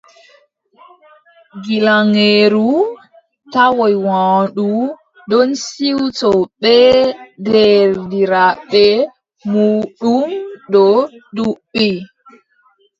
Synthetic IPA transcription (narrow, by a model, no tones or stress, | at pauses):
ɡilaŋeɾu | tawɔjwaɗu | dɔnsiwtɔɓɛdɛɾdiɾaɓɛ | muːɗumɗɔɗuɓːi